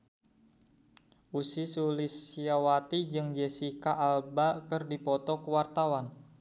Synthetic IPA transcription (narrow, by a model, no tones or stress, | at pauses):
ʔusisulisiawat̪id͡ʒɨŋd͡ʒesikaʔːlbakɨrdipɔt̪ɔkəwart̪awan